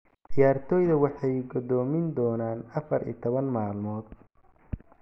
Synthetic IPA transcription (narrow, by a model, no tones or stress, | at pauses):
dɪjaːrt̪ʰɔːjðɐwɑħɑjɡɔðɔːmɪnd̪ɔːnaːnɐfɐɾḭːt̪ʰɔβɐnmaːlmɔːd̪̚